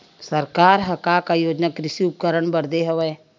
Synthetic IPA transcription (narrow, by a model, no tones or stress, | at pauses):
səɾkaːɾɦɐkakajoːd͡ʒnakɾɪsiʊp̚kəɾəɽbəɾd̪eɦəʋeː